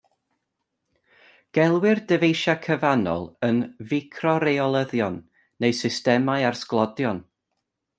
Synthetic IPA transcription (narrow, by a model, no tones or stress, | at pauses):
ɡ̥ɛlˠwɪrdəvejʃakʰəvanɔ̰lˠənvɪkʰrɔɾejɔlˠəðjɔnː | ejsɪstɛmaɨarsklˠɔdjɔn